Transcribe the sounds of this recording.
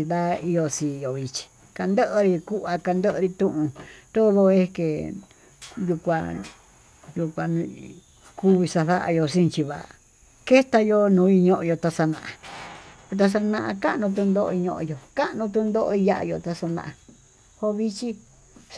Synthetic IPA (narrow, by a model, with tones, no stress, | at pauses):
i˧ða˦i˧jo˧sĩ˧jo˨βi˧t͡ʃi̥˧ | ka˧nd̪ə˦ʔɾi˧ku˦ʔa˧ka˧nd̪ə˦ʔɾi˧t̪ũ˧ʔũ˧t̪o˦ðo˧e˧˦ke˨ | ju˧kʷa̰˧ | ju˧kʷã˧ | ku˦βi˧sa˧ða˦ʔa̰˧jo˧sĩ˦˧t͡ʃi˧βa̰˨a̰˧˨ | ke˦t̪a˧jo˧nũː˧˦i˧ɲõ˧ʔõ˧jo˧t̪a˧sa˧nã̰˧ʔa˨o˧t̪̬a˧s̬a˧nã˧ʔa̰˧ka˦ʔnũ˧t̪̬ũ˧nd̪o˦ʔo̰˧i˧ɲõ˧ʔõ̰˧jo˧ka˦ʔnũ˧t̪̬ũ˧nd̪o˦ʔo˧i˧ja˧˦ʔa̰˧jo̰˧t̪a˧sa˧nã̰˧ʔã˧ | ho˧βi˧t͡ʃi˧